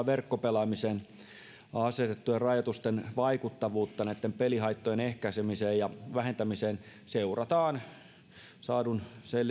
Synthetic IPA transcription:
ʋerkːopelɑmiseːn | ɑset̪et̪ːujerrɑjot̪ust̪enʋɑikut̪ːɑʋuːt̪ːɑnæit̪ːempelihɑit̪ːojenehkæisemiseːjjɑʋæhent̪æmiseːn | seurɑt̪ɑːn | sɑːdunsel

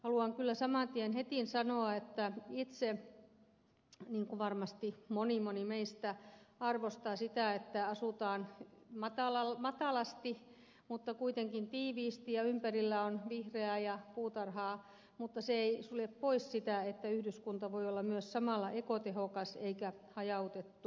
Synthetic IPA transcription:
hɑluɑŋkylːæsɑmɑnt̪ienhet̪insɑnoɑet̪ːæit̪se | niːŋkuʋɑrmɑst̪imonimonimeist̪æɑrʋost̪ɑsit̪æˑet̪ːæɑsut̪ɑːnmɑt̪ɑlɑlmɑt̪ɑlɑst̪i | mut̪ːɑkuit̪eŋkint̪iːʋiːst̪ijɑympærilːæonʋihreæjɑpuːt̪ɑrhɑː | mut̪ːɑseeisuleppoissit̪æet̪ːæyhdyskunt̪ɑʋoiolːɑmyøssɑmɑlːɑʔekot̪ehokɑseikæhɑjɑut̪et̪ːu

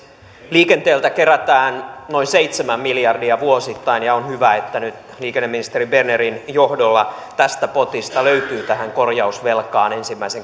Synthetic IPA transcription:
liːke̞nt̪eːlt̪æke̞ɾæt̪æːnno̞inseit̪semæmːiljɑrdiɑʋuo̞sit̪ːɑinjɑonhyʋæet̪ːænyt̪ | liːkenːemːinist̪e̞ɾibe̞rneɾinjohdolːɑt̪æst̪æpo̞t̪ist̪ɑløyt̪yːt̪æhæŋko̞rjɑusʋe̞lkɑːne̞nsimːæiseŋ

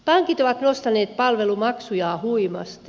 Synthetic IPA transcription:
pɑŋkit̪oʋɑt̪nost̪ɑneːt̪pɑlʋelumɑksujɑːhuimɑ̰st̪

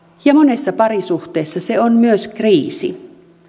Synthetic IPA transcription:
jɑmonesːɑpɑɾisuht̪eːsːɑseonmyøskriːsḭ

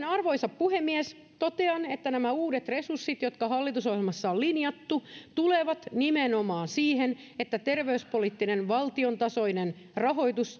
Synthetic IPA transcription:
nɑrʋo̞isɑppuhemːies | t̪ot̪eɑnet̪ːænæmæuːdet̪resursːit̪jot̪kɑɦɑlːit̪usohelmɑsːɑollinjɑt̪ːut̪uleʋɑt̪nimenomɑːnsiːhen | et̪ːæt̪erʋeyspolit̪ːinenʋɑlt̪iont̪ɑso̞inen | rɑɦo̞jt̪us

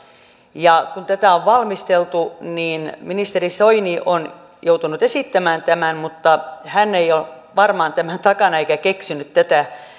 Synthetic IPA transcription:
jɑkunt̪æt̪æˑoʋʋɑlmist̪elt̪uniːnminist̪erisoiniʔon | jout̪unut̪esit̪ːæmæːnt̪æmænmut̪ːɑhænːeiol | ʋɑrmɑːnt̪æmænt̪ɑkɑnɑeikækeksinyt̪t̪æt̪æ

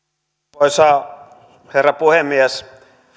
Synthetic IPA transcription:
oisɑː | herːɑpuhemːies

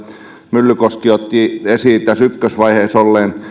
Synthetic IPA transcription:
mylːykoskiot̪ːiesiːt̪æsykːøsʋɑiheːsolːeːn

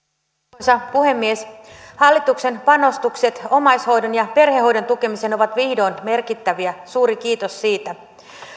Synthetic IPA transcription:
sɑpuhe̞mːieshɑlːit̪ukse̞npɑno̞st̪ukse̞t̪o̞mɑjsho̞jdonjɑpe̞rheɦo̞jdo̞nt̪uk̟e̞mise̞no̞ʋɑt̪ʋihdo̞ːnme̞rkit̪ːæʋiæsuːɾikiːt̪o̞sːiːt̪æ

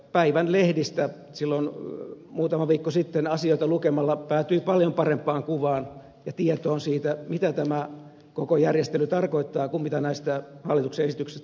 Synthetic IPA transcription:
pæiʋænlehdist̪æ | silːonmuːt̪ɑmɑʋiːkːosit̪ːenɑsioit̪ɑlukemɑlːɑpæːt̪yipɑljompɑrempːˑɑːŋkuʋɑːn | jɑt̪iet̪oːnsiːt̪æmit̪æt̪æmæ | kokojærjest̪elyt̪ɑrkoit̪ːɑːkummit̪ɑnæist̪æhɑlːit̪ukseesit̪yksest̪

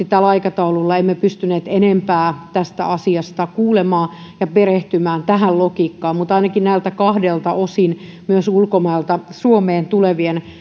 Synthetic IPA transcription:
it̪ælɑikɑt̪ɑululːɑemːepyst̪yneːt̪enempæːt̪æst̪æ̰ɑsiɑst̪ɑkuːlemɑː | jɑpereht̪ymæːnt̪æɦællokiːkːɑːmmut̪ɑinɑkinnæilt̪ækɑhdelt̪ɑʔosin | myøsulkomɑilt̪ɑsuomeːnt̪uleʋien

